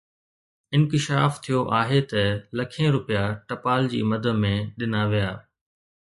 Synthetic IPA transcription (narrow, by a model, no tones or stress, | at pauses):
ɪ̃nkɪʃaːft̪ʰijoʔaːɦet̪ɐlɐkʰẽɾʊpijaʈɐpaːld͡ʑḭːmɐd̪ʱə̆mẽɗɪnaʋijaː